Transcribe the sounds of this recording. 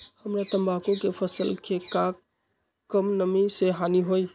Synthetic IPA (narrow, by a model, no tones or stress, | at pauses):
həmɾat̪əmbakõkepʰəsəlkʰeka | kːəmnəmiseɦaniɦoj